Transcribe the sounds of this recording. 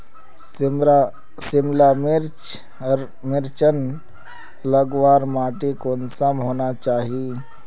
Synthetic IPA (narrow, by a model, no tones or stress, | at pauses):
sɪmlamɪɾt͡ʃ | ɾ | mɪɾt͡ʃən | ləɡwaːɾmaːʈekoːnsamɦoːnat͡ʃaːɦi